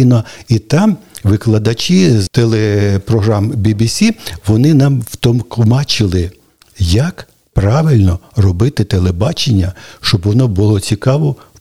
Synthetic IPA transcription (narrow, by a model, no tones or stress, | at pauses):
nɔit̪ɑmʋɪklˠɐd̪ɐt͡ʃizt̪elˠepɾɔɦɾɑmbʲibʲisʲiʋɔnɪnɑmwt̪ɔmkmɑt͡ʃɪlˠɪ | jɐk | pɾɑʋɪlʲnɔrɔbɪt̪ɪt̪elˠebɑt͡ʃenʲːɐʃt͡ʃɔbʋɔnɔbʊlˠɔt͡sʲikɑʋɔ